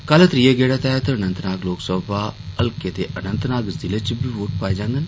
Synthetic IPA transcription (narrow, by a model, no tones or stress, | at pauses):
kalət̪ɾieɡeːɽat̪ɛɦt̪əənə̃nt̪naːɡloːksəbaːəlket̪eʔənə̃nt̪naːɡzɪlet͡ʃbʱiːʋoːʈpaːed͡ʒãːnd̪ən